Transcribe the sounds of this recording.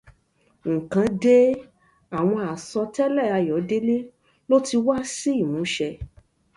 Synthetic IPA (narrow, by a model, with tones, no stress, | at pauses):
ŋ̩̃˨kã˨˧de˦ | a˨w̃ɔ̃˧a˨sɔ˧tɛ˦lɛ˦˨a˧jɔ˨˦de˦le˦ | lo˦ti˧wa˦si˦i˦˨mũ˨˦ʃɛ˧